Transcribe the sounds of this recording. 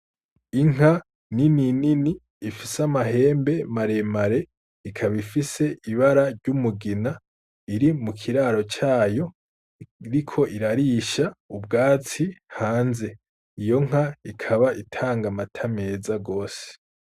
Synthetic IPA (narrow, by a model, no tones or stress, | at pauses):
iŋ̥a | ninininiː | fisamaɦe̞ːmbe̞maɾe̞maɾe̞ | ikʰaβifise̞ʔiβaɾaɾɟumuɡina | iɾimukʰiɾaɾo̞t͡ʃaːjo̞ | ɾikʰo̞ʔiɾaɾiʃaub̚ɡaːt͡sihaːnze̞ | ijo̞ŋ̥haikʰaβaʔitʰaːŋɡamatʰame̞ːzaɡo̞ːse̥